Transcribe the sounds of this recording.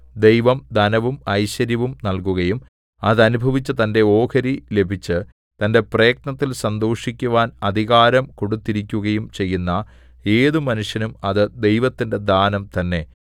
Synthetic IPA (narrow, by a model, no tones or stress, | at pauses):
d̪e̞jʋɐmd̪ʱɐnɐʋumɐjɕɐɾjɐʋumnɐlkuɣɐjum | ɐðɐnubʱɐʋit͡ɕːɨt̪ɐnde̞o̞ːkʰɐɾile̞bʱit͡ɕːɨ | t̪ɐnde̞preːk̚ɳɐt̪ːilsɐnd̪oːʂikʲːuʋaːnɐd̪ʱiɣaːɾɐmko̞ɽut̪ːiɾikʲːuɣɐjumt͡ɕe̞jːunːɐ | e̞ːðɨmɐnuʂjɐnumɐðɨd̪e̞jʋɐt̪ːinde̞d̪aːnɐmt̪ɐnːe̞